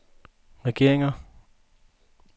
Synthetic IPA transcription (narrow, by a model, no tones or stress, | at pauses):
ʁɛɡ̥e̝̰ɐ̰eŋɐ